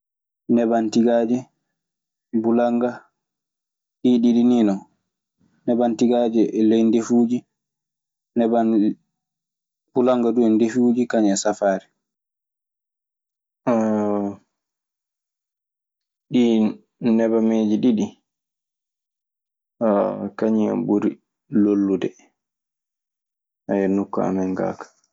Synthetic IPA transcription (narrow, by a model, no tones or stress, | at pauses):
nɛbantiɡaːd͡ʒɛ | bulaŋɡa | ɗiɗiɗininɔ | nɛbantiɡad͡ʒɛʔɛlɛjndefuːd͡ʒi | nɛba | b̥ulaŋɡaduɛndefuːd͡ʒikaɲɛsafaːɾɛ | a | ɗi | nɛbameːd͡ʒiɗiɗi | akaɲia̰mbuɾi | lolːudɛ | ʔajɛnukːa̰a̰mɛŋɡa̰ːkḁ